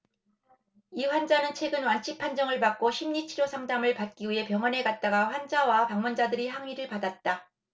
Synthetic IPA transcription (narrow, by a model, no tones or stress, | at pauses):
iɸwand͡ʑanɯnt͡ɕʰwe̞ɡɯnwant͡ɕʰik̚pʰand͡ʑʌŋɯɭpak̚k͈oɕʰimɲit͡ɕʰiɾjosʰaŋdamɯɭpat̚k͈iɥiɦe̞pjʌŋwʌne̞ɡat̚t͈aɡaɸwand͡ʑawapaŋmund͡ʑadɯɾiɦaŋɥiɾɯɭpadat̚t͈a